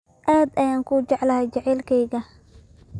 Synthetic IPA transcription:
ʔaːd̪ɐjaːŋkʰuːt͡ʃɛʕlɐhɛjt͡ʃɐʕɛːlkʰɛjɣɐ

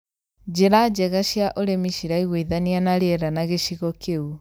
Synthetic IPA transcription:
d͡ʑeɾad͡ʑɛɣaɕjaʔoɾemiʃiɾaiɣweiðanianaɾeɛɾanaɣeʃiɣɔkʰeu

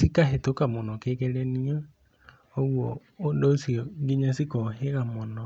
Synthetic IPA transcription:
sikaɦetokamɔnɔkeɣɛɾɛniɔ | oɣwɔː | dosiɔɡiɲasikɔɦeɣamɔnɔ

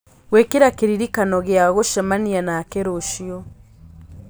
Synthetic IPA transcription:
wekiɾakeɾiɾikanɔɣeaɣoʃamanianakeɾoʃiɔ

